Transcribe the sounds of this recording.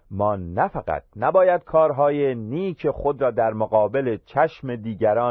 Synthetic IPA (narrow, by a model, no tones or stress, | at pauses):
mɒːnːæfæɣæ̰t̪̚ʰnæbɒːjæd̪̚kʰɒːɾɦɒːjeniːcʰexo̞d̪ɾɒːd̪æɾmoɣɒːbe̞le̞t͡ʃʰæʃme̞d̪iːɟæɾɒː